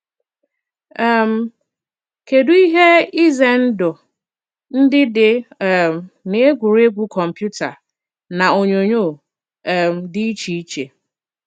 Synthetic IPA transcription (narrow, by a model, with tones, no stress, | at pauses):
ɛ˦˨m̩˨ | ke˨du˦i˦ɦe˦i˦ze˨n̩˦dʊ˨ | n̩˦dɪ˦dɪ˨m˨ne˨e˦ɡʷu˨ɾe˦ɡʷu˦kʰɔ˨m̩˨pju˦ta˨ | na˨o˨ɲo˨ɲo˦˨ | m˨dɪ˦i˦t͡ʃi˨i˦t͡ʃḛ˨